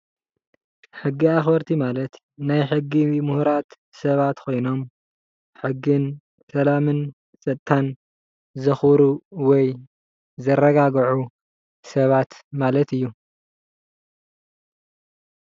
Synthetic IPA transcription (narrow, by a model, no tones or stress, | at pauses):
ħɨɡːiaxbɐɾt̪ʰimalɐt̪ | najħɨɡːimuhɾat̪ | sɐβat̪kʰo̞jno̞m | ħɨɡːɨn | sɐlamɨn | sʼɐt̪t̪ːʰan | zɨxɾuwɔj | zɐrːɐɡaɡʕu | sɐβat̪malɐt̪ɨjːu